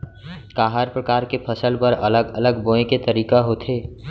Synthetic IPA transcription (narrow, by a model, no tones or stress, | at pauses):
kaːɦaɾpɾəkaːɾkepʰəsəlpəɾələɡələɡbõẽket̪əɾiːkaɦoːt̪ʰeː